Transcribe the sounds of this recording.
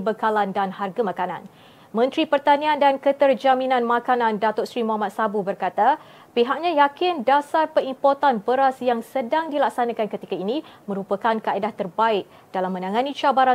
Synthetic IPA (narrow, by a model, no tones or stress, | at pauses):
bəkalandanharɡamakanã̰n | mə̃nt̪ɾipərt̪aniandankət̪ərd͡ʒaminãnmakanãndat̪ʊsɾimoamat̪̚sabubərkat̪a | piɦaʔ̚ɲãjakɪndasarpəimport̪anbəɾasjaŋsədaŋdilak̚sanakankət̪ikainimə̃ɾupəkankaedaht̪ərbaɪk̚ | d̥alamːə̃nãŋanit͡ʃabaɾa